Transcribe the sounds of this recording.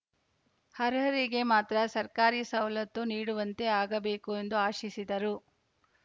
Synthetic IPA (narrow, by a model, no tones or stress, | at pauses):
hɐɾɦɐɾiɡe̞maːt̪ɾɐsɐɾkaːɾiːsɐwlɐt̪ːuniːɽuʋɐnt̪e̞aːɡɐbe̞ːkue̞nd̪uaːʃisid̪ɐɾu